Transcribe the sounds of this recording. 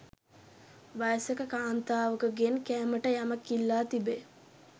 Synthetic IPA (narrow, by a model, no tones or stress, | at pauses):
ʋajsəkəkaːnt̪aːʋəkəɡenkɛːməʈəjamɐkːilːaːt̪ibe